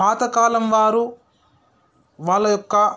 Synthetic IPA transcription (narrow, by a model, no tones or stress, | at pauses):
aːt̪ɐkaːlɐmʋaːɾu | ʋaːɭːɐjɔkːɐ